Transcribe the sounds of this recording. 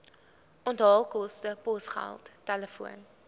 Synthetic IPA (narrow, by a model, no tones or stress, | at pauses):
ʔɔntɦɑːlˠkɔstəpɔsχæ̰lˠtːɛləfuən